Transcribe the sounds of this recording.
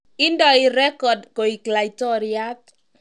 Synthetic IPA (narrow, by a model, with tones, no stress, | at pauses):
ɪ˦ndɔ˨i˨ɾɛ˦kɔ˨dko˨i˨kla˨itɔ˦ɾia˦t̪